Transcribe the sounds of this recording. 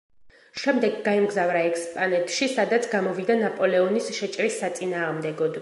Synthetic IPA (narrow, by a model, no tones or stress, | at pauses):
ʃɛmd̪ɛɡːaimɡzavɾaɛkʰʼspʼanɛt̪ʰʃisad̪at̪sʰɡamɔvid̪anapʼɔlɛɔnisʃɛt͡ʃʼɾisːat̪sʼinaːʁmd̪ɛɡɔd̪